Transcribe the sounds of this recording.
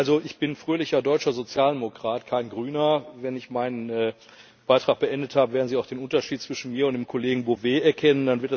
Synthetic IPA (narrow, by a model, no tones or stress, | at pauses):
ʔalzoɪçb̥ɪnfʁ̥øːlɪçɐdɔʏt͡ʃɐzot͡sjaːldemokʁ̥aːtkʰaɪnɡʁyːnɐvɛnɪçmaɪnənɛː | b̥aɪtʁ̥aːχk̚b̥əʔɛndəthaːbəveɐdn̩ziːaʊxd̥eːnʔʊntɐʃiːt̚t͡sv̥ɪʃn̩miːɐʊntd̥eːmkʰoleːɡŋ̩boveːɛɐkʰɛnəndanvɪɐt